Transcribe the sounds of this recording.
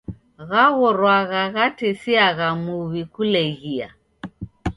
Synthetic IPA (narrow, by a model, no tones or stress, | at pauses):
ɣaɣɔɾwaɣaɣatɛsiaɣamuβikulɛɣia̰